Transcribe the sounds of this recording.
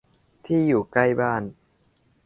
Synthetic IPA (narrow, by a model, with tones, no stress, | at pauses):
t̪ʰiː˥˩juː˨˩ka˥˩jbaː˥˩n